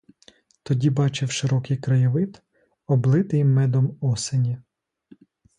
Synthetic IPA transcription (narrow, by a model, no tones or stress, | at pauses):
t̪ɔdʲibɑt͡ʃɪwʃɪɾɔkɪjkɾɐjɔʋɪt̪ | ɔblˠɪt̪ɪjmɛd̪ɔmɔsenʲi